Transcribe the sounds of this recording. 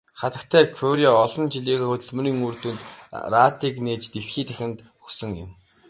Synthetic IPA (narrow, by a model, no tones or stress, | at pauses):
χat̪ə̆kt̪ʰæːkʰʊɾʲiaɔɮɞ̆nt͡ɕiɮiːɣeːxɵt̪ɵ̆ɮmɵ̆ɾiːŋuːr̥t̪uːnt̪raːt̪iːkneːt͡ɕt̪eɮxiːt̪ʰæxʲɪ̆nt̪ | ɵksɵ̆ŋjɪ̰̆m